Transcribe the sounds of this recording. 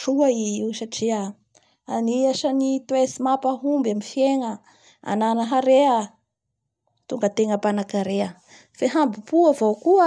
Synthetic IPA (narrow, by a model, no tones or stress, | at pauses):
ʈ͡ʂuaiisaʈ͡ʂia | aniaʃanit̪wesimapaɦumbamifjeŋə | a̰nanəɦaɾea | t̪uŋɡət̪eŋəpanakaɾeə | feɦambipuavowkuə